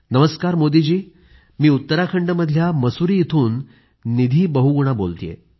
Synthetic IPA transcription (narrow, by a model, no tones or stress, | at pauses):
nəʋəskaɾmod̪id͡ʑiː | miːut̪ːəɾakʰəɳɖəməd̪ʱjaməsuɾiːt̪ʰuːnː | id̪ʱiːbəɦuɡuɽ̃abo̰lt̪ijḛ